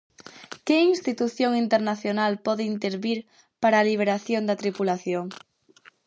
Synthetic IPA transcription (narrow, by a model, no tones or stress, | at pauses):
kɪinst̪it̪uθjoŋint̪eɾnaθjonalpɔðɪint̪eɾβiɾ | paɾaːliβ̞eɾaθjond̪ɐt̪ɾipulaθjoŋ